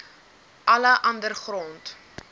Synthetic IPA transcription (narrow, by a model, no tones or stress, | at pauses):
ʔɐləʔɐndərχrɔnt